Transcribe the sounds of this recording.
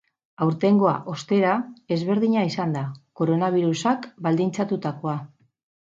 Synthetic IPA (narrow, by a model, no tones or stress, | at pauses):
awɾt̪e̞ŋɡo̞a̰ʔo̞st̪e̞ɾae̞zβe̞ɾðiɲaisand̪ako̞ɾo̞naβiɾusakbald̪int͡sat̪ut̪ako̞a